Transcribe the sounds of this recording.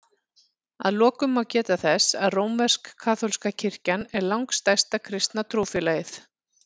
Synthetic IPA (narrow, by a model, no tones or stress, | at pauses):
a̰ðlɔːkʏmawcɛːt̪aθɛsaðroːwmvɛr̥kʰːaːθʰowlskacʰɪr̥canɛɾlawŋkst̪ajst̪akʰɾɪst̪nat̪ʰɾuːfɪlajɪθ